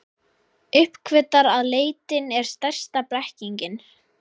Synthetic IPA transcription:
ʏhpkʰvɪt̪ːaɾaðleːjt̪ɪnɛɾ̥st̪ɛr̥st̪apɾɛhciɲcɪn

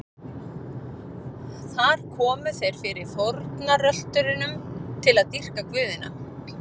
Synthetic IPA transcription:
θaɾ̥kʰɔːmʏθejɾ̥fɪɾɪ̥θoɾt̪narœl̥t̪ʏɾɪnʏmt̪ʰɪlaðt̪ir̥kakvʏːðɪna̰

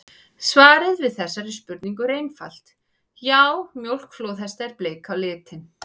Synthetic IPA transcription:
svaːɾɪðvɪðθɛsːaɾispʏɾt̪niŋkʏɾejnfa̰l̥t̪ | jawmjowl̥kflowθɛst̪aɛɾpleːjkʰawlɪːt̪ʰɪn

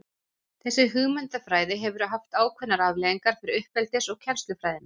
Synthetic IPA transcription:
θɛsːɪɦʏɣmʏnt̪afɾaːjðɪɦɛvʏɾɦaft̪aːwkʰvɛnaɾavlɛjiŋkaɾ̥fɪɾɪɾʏhpɛlt̪ɪsɔɣcʰɛm̥st̪lʏfɾaːjðɪna

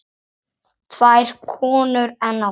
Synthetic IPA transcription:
t̪ʰv̥ajɾ̥kʰɔːnʏɾɛnːa

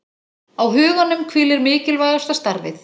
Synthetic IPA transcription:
awɦʏːɣanːʏmkʰvɪːlɪɾmɪːcɪlvaːjawst̪ast̪aɾvɪ̰θ

